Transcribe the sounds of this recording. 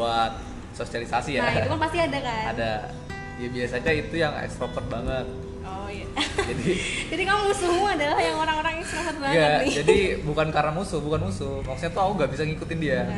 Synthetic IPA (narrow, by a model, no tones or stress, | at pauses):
at̪̚ | sosialisasijaukanpast̪iadakaa̰da | jabiasaɲait̪ujaŋɛ̰kstɾofərt̪̚baŋət̪̚ | ɔ | jad͡ʒadid͡ʒadikalomusumuadalahjaŋoɾaŋoɾaŋɛkst̪ɾofərt̪̚baŋjaəd͡ʒadibukankaɾamusʊbukanmusumaksu̥t̪ɲat̪uakuŋɡaʔbisaŋikut̪ɪndia